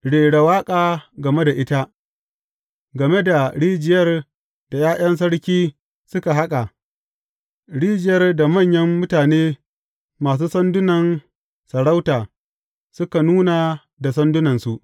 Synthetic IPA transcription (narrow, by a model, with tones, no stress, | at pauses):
ɽeː˨ɽa˨waː˦kʼaː˨ɡɐ˨me˦da˨ʔɪ˦ta˦ | ɡɐ˨me˦da˨ɽiː˦d͡ʒɪ˨jɐ˦r | d̥a˨jaː˦jʔɐ˦ns̬ɐ˦ɽkʲiː˦ | sʊ˦ka˨ɦa˦kʼa˨ | ɽiː˦d͡ʒɪ˨jɐ˦rda˨mɐ˦˨ɲjɐ˦mːʊ˦taː˨neː˦ | maː˨s̬uː˦sɐ˦ndʊ˦nɐ˨n | sɐ˨ɽa˦wtaː˨ | sʊ˦ka˨nuː˦na˨ | da˨sɐ˦ndʊ˦nɐ˨nsu˨ʔ